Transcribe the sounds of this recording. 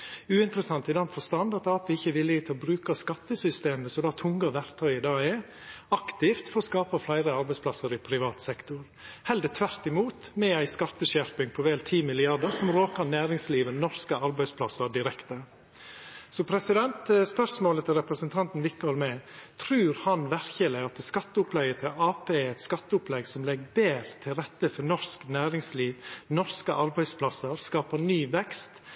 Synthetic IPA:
ʉːɪnt̪ɾəsɑnt̪ɪd̪ɛnfɔst̪ɑnd̪ɑt̪ɑːpəɪçːəʋɪlːɪət̪ʰɪlbɾʉːkɑskɑt̪ːəsʏst̪eːməsɔmd̪ɑːt̪ʰʊŋɡɑʋæɾt̪ʰœʏəd̪ɑːɛ | ɑkt̪ɪft̪fɔɾɔskɑːpɑflæɪɾəɑɾbæɪspʰlɑsəɾɪpʰɾɪʋɑːt̪sɛkt̪ʊɾ | hɛld̪ət̪ʰʋæɾt̪ɪmuːt̪mɛæɪskɑt̪ːəʃæɾpɪŋpʰɔʋeːlt̪ʰiːmɪlɪɑɖəɾsɔmɾoːkəɾnæːɾɪŋsliːʋənɔɾskəɑɾbæɪspʰlɑsːəɾɖɪɾɛkt̪ə | sɔpʰɾɛsɪd̪ɛnt̪spœsmoːlət̪ʰɪlɾɛpɾəsənt̪ʰɑnt̪n̩ʋɪkːɑɾmɛt̪ʰɾʉːɾhɑnʋæɾçəlɪɑt̪skɑt̪ːəʊplɛɡət̪ʰɪlɑːpʰeːɾɛɪt̪skɑt̪ːəʊplɛɡsɔmlɛɡbeːɾt̪ʰɪlɾɛt̪ːəfɔɾnɔsknæːɾɪŋsliːʋnɔɾskəʔɑɾbæɪspʰlɑsəɾskɑːpəɾnyːʋɛkst̪

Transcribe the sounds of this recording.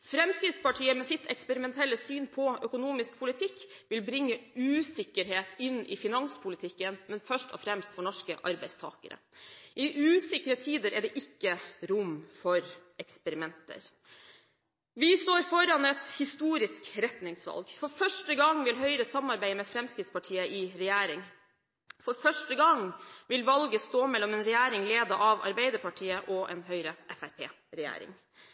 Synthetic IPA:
fɾɛmskɾɪt̪spɑʈʰiːəmɛsɪt̪ʰɛ̰kspəɾɪmɛnt̪ʰɛlːəsyːnpʰɔœkʊnuːmɪsk̚pʰʊlɪt̪ʰɪkːʋɪlbɾɪŋːəʉːsɪkːəɾɦeːt̪ɪnːʔɪ̰fɪnɑŋspʰʊlɪt̪ʰɪkːənmɛnfœʂʈɔ̰fɾɛmst̪fɔɳɔʂkə̰ʔɑɾbæɪst̪ʰɑ̰ːkə̰ɾə̰ʔɪʔʉːsɪkəɾət̪ʰiːd̪əɾɛɖɛʔɪkːəɾʊmfɔɾɛkspəɾɪmɛnt̪ə̰ɾ | ʋɪst̪oːɾfɔɾɑnɛt̪hɪst̪uːɾɪskɾɛt̪nɪŋsʋɑ̰lɡfɔɾfœʂʈəɡɑŋːʋɪlɦœʏɾəsɑmɑɾbæɪmɛfɾɛmskɾɪt̪spɑʈʰiːəʔɪɾɛjæːɾɪŋ | fɔɾfœʂʈəɡɑŋʋɪlʋɑlɡəst̪oːmɛlːɔmɛːnɾɛjæːɾɪŋleːd̪ɑʔɑʋɑ̰ɾbæɪd̪əɾpɑʈʰiːəʔɔʔɛ̰nɦœʏɾəʔɛfæɾpʰḛː | ɾɛjæ̰ːɾɪ̰ŋ

